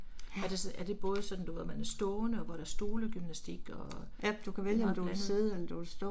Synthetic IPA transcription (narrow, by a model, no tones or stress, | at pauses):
æɐd̥e̝sæɐd̥e̝b̥ɔ̽ːð̞ˠsɒ̽d̥n̩d̥uʋḛmænæsd̥ɔːnəɒʋɒɾ̥ææɐsd̥o̝ːləɡ̥ymnæsd̥iɡ̥ɒ̽ | æd̥ukʰæʋeljəɒmd̥uæseð̩ˠeld̥uælsd̥ɔ